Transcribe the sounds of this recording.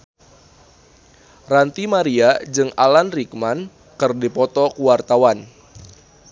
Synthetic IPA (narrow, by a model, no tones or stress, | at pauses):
rant̪imaɾiad͡ʒɨŋalanrik̚man | kɨrdipɔt̪ɔkuwart̪awan